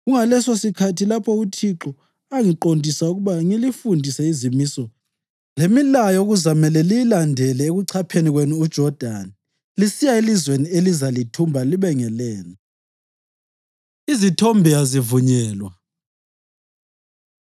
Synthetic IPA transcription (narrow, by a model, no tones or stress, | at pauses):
ɣuŋalɛsosikʰatʰilapʰɔutʰiǁɔ | aŋiǃondʱisauɣuβaŋilifundʱisɛizimisɔ | lemilajɔuɣuzamɛlɛlijilandʱɛlɛeɣuǀʰapʰeniɣwenuud̥ʒ̥ʱɔrd̥ʱani | lisijaelizwenielizalitʰumbʱaliβɛŋɛlɛːnɔ | izitʰombʱijazivuɲɛːlwa